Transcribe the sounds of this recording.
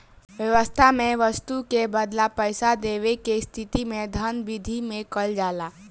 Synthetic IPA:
ʋjəʋəst̪ʰamẽʋəst̪ukebəd̪lapəɪsad̪eːʋekest̪ʰɪt̪imẽd̪ʱənbid̪ʱimẽkəld͡ʒaːlaː

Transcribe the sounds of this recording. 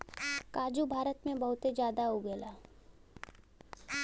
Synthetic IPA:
kaːd͡ʒubʱaːɾət̪mẽbɐɦʊt̪ed͡ʒjaːd̪aɦoɡɛːlaː

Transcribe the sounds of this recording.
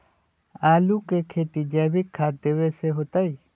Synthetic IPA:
aːlukekʰeːt̪id͡ʒɛbikʰːaːt̪̚d̪eʋeseɦot̪ai

